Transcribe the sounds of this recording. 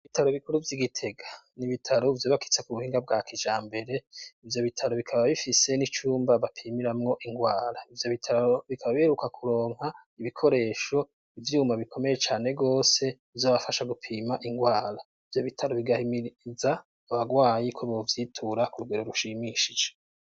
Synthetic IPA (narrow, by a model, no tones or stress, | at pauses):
iβitaɾoβikuɾuvjiɡitʰe̞ɡaniβitʰaɾovjoβaki̥t͡sekuβuhiːŋɡab̚ɡakʰid͡ʒaːmbe̞ɾe̞ivjo̞βitʰaɾoβikʰaβaβifise̞nit͡ʃuːmbaβapʰiːmiɾamŋo̞ʔiŋɡwaːɾaivjo̞βitʰaoβikʰaβaβiheɾukakʰuɾo̞ːŋha | iβikʰo̞ɾe̞ːʃo̞ | ivjuumaβikʰo̞me̞je̞t͡ʃaːne̞ɡo̞ːse̞ | vjoβafaʃaɡupʰiːmaʔiŋɡwaːɾa | ivjo̞βitʰaɾoβiɡahimiza | aβaɡwaːjikʰoβo̞vjitʰuɾakuɾuɡeɾo̞ɾuʃimiʃid͡ʒe